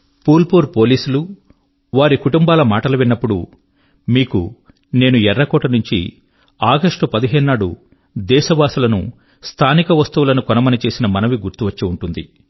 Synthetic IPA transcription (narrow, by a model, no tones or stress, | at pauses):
puːlpuːɾpo̞ːliːsulu | ʋaːɾikuʈumbaːlɐmaːʈɐluʋinːɐpːuɽu | miːkṵ | ne̞ːnuɛɾːɐkɔːʈɐnuɲt͡ʃḭ | aːɡɐʂʈupɐd̪iɦeːnːaːɽṵ | d̪ɛːʃɐbaːsulɐnṵ | st̪ʰaːnikɐʋɐst̪ɐʋulɐnukɔnɐmɐnit͡ʃe̞ːsinɐmɐnɐʋiɡuɾt̪uʋɐt͡ʃːiuɳʈund̪ḭ